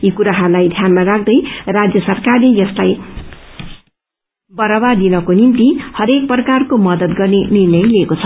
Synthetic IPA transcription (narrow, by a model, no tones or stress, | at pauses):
ikuɾaɦʌrlajd̪ʱjanmarakʰd̪ʌjrad͡zjʌsʌrkarlejʌslaj | bʌɾʌbad̪inʌkonimt̪ihʌɾek̚prʌkarkomʌd̪ʌt̪ɡʌrnenirnʌjliekot͡sʰʌ̥